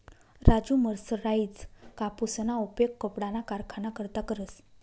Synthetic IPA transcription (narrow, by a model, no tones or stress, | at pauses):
ɾad͡ʑuməɾsɾaid͡zkapusnaupjekːəpɽanakaɾkʰanakəɾt̪akəɾəs